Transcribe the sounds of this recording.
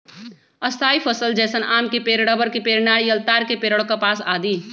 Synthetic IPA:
ɐst̪ʰaːipʰəsəld͡ʒɛːsənʔaːmkepeːɾɽəbəɾkepeːɾnaːɽijəlt̪aːɾkepeːɾəɽkapaːsaːd̪iː

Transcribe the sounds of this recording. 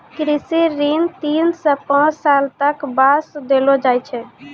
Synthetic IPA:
kɾisiɾint̪insə̃pãt͡ʃʰsalt̪əkbasd̪elod͡ʒajt͡ʃʰɛ

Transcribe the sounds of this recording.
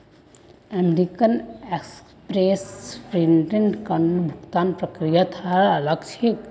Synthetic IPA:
əmeɾikəneks | pɾeːspɾiɳɖɾeɳɖkanbʱʊkt̪aːnpɾɐkɾijat̪ʰaɐləɡt͡ʃʰek

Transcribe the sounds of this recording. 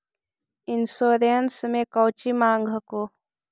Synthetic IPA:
ɪnsoːɾeənsmẽkɐwt͡ʃimaːŋɡʱəkoː

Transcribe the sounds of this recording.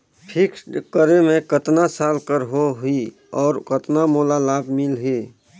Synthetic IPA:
pʰɪkskəɾemẽkət̪nasaːlkəɾɦoɦʊi | ɔːɾkət̪namoːlalaːbmɪlɦeː

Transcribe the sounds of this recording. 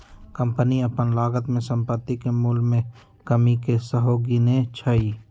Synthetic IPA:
kə̃mpəniəpənlaːɡət̪mẽsə̃mpət̪ːikemuːlmẽ | kəmikesəɦoɡinet͡ʃʰəiː

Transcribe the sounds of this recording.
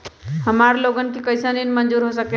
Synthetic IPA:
həmaɾloɡənkikəɪsəninmənd͡ʒuɾɦosəke

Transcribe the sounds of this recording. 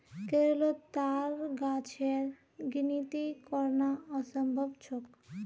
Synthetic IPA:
keɾlot̪aɾɡat͡ɕʰeɾ | ɡinit̪ikɔɾnaɔsɔmbʱobt͡ɕʰok

